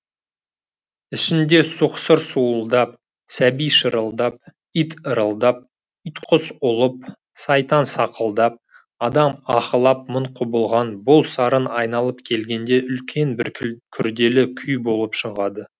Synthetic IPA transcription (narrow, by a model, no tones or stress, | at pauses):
ɪʃɪnd̪e̞sʊqsəɾsuəlˠd̪ɑp̚ | sæbijʃəɾəlˠd̪ɑp̚ | ijt̪əɾəlˠd̪ɑp̚ | ijt̪qʰʊsʊlˠəp̚ | sɑjt̪ɑnsɑqʰəlˠd̪ɑp̚ | ɑd̪ɑmɑqəlˠɑp̚məɴqʰʊbəlˠʁɑnbʊlˠsɑɾənɑjnɑlˠəp̚kʲʰe̞lɡʲe̞nd̪e̞ʔʏlkʲʰe̞nbɪɾkʲʰʏɾd̪e̞lɪkʲʰʏjbo̞lˠəpʃəɴʁɑd̪ə